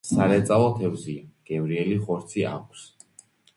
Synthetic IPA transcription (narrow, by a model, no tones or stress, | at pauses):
saɾɛt̪sʼalˠɔt̪ʰɛvziɡ̥ɛvɾiɛliχɔɾt̪sʰiʔa̰kʷʼʰs